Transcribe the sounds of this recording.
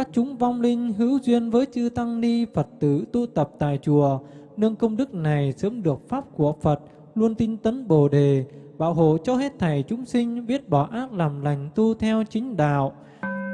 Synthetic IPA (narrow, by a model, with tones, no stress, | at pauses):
kaː˦˥k̚t͡ɕʊ˨˦ŋ͡mva˧wŋ͡mlï˧ŋ̟ɦɨ˨˦wzwi˧ənvəː˨˦jt͡ɕɨ˧t̪a˧ŋni˧fə˨˩t̚t̪ɨ˧˩t̪u˧t̪ə˨˩p̚t̪a̰ː˧˨jt͡ɕu˧˩ə | nɨ˧əŋkə˧wŋ͡mɗɨ˦˥k̚na˨˩jsəː˨˦mɗɨ˨˩ək̚faː˦˥p̚ku˧˩əfə˨˩t̚ | lu˧ənt̪i˧nt̪ə˨˦nɓo˨˩ɗe˨˩ɓa̰ː˧˨wɦo̰˧˨t͡ɕɔ˧he˦˥t̚t̪ʰa˨˩jt͡ɕʊ˨˦ŋ͡msï˧ŋ̟ɓi˦˥ət̚ɓɔ˧˩ʔaː˦˥t̚laː˨˩mla˨˩jŋ̟t̪u˧t̪ʰɛ˧wt͡ɕŋ̟ɗa̰ː˧˨w